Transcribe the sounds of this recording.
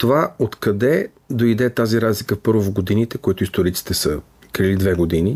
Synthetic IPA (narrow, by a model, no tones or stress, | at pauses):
t̪ovaot̪kɐd̪ɛ | d̪oid̪ɛt̪aziɾazlikəfpɤɾvovɡod̪init̪ɛkoit̪ʊist̪oɾit̪si̥t̪ɛsə | kɾilid̪vɛɡod̪ini